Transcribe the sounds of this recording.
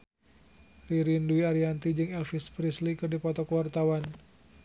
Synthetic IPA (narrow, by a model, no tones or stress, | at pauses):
riɾinduiaɾiant̪id͡ʒɨŋɛlfispɾislikɨrdipɔt̪ɔkəwart̪awan